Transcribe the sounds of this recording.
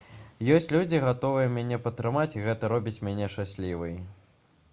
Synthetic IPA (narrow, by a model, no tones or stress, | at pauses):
jɔsʲt͡sʲlʲud͡zʲiɣat̪ɔvɨjɛmʲanʲɛpɐt̪ːɾɨmat͡sʲiɣɛt̪ɐɾɔbʲit͡sʲmʲanʲɛʂt͡ʂasʲlʲivɨj